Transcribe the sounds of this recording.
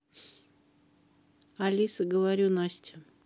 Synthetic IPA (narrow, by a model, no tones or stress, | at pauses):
alʲisəɡəvaɾʲunasʲtʲɪ